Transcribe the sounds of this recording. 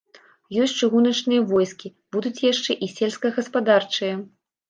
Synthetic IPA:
jɔsʲt͡ʂɨɣunɐt͡ʂnɨjɐvɔjskʲi | b̥ud̪ut͡sʲjaʂt͡ʂɛʔisʲelʲskɐɣɐspad̪art͡ʂɨjɐ

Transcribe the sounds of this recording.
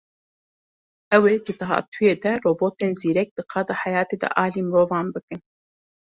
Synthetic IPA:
ʔɛweːd̪ɨd̪ɨɦɑ̰ːt̪ʰujeːd̪ɛroːboːt̪eːnziːɾɛk̚d̪̥ɨqʰɑːd̪ɑːħajɑːt̪eːd̪ɛ̰ʔɑːliːmɨɾoːvɑːnbɨkɨn

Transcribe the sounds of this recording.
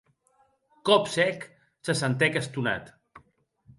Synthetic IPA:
kɔpsɛk | səsənt̪ɛkəst̪una̰t̪

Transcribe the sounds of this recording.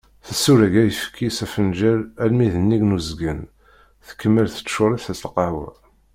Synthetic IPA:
θəsːuɾæɡæjəfkʰːisæfənʒæɾælmiðənːiɡnuzɡən | θə̥kːəmːəlθə̥t͡sːʃʊɾˤiθæslqɑwæ̰

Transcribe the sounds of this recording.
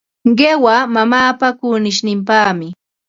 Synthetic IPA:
ɢewamamaːpakʊnɪʃnɪmpaːmɪ

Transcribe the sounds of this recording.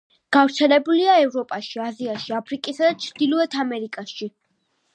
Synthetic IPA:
ɡ̥avɾt̪sʰɛnɛbuliaɛvɾɔpʼaʃiaziaʃiapʰɾikʼisad̪at͡ʃʰɾd̪̥ilˠɔɛt̪ʰamɛɾikʼaʃi

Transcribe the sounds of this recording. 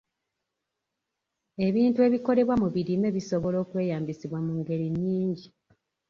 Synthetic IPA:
e̞βiːntue̞ːβiko̞ɾe̞βwamuβiɾime̞ːβiso̞βo̞lo̞ːkwe̞ːjaːmbisiβwamuŋɡe̞ɾiɲːiːɲɟi

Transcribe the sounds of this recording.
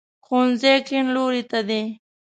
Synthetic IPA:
xonzekinloɾit̪ad̪e

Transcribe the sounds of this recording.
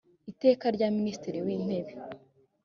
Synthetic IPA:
ite̞ːkaɾɟaministiɾiwiːn̥he̞βe

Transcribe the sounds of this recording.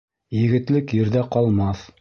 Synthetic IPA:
jɘ̆ɡɘ̆t̪lɘkjɘ̆ɾðæqɒlˠmɑθ

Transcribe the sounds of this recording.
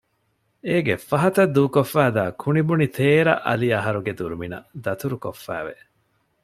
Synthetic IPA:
eːɡefɐɦɐt̪ɐd̪uːkofːæːd̪aːkʰunibunit̪ʰeːɾɐ̰ʔɐ̰liɐɦɐɾuɡed̪uɾuminɐ̰d̪ɐt̪uɾukofːæ̰ːʋḛ

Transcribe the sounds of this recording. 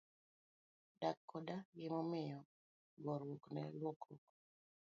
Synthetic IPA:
dakːɔdaɡɪmɔmɪjɔ | ɡɔɾwoknɛ̰lwokɾok

